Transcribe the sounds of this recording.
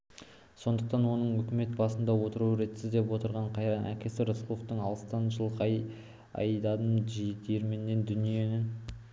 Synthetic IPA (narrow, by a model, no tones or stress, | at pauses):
so̞nd̪əqt̪ɑnwo̞nəɴʏkʲɪme̞t̪̚bɑsənd̪ɑwo̞t̪əɾuɾe̞t̪sɪzd̪e̞pwo̞t̪əɾʁɑɴqʰɑjɾɑnʔæ̰kʲe̞sɪɾoslˠoft̪əɴɑlˠst̪ɑnʒəlˠqʰɑj | ɑ̰jd̪ɑd̪əmʒid̪ʰeɾmenːe̞nd̪ʏnije̞nɪ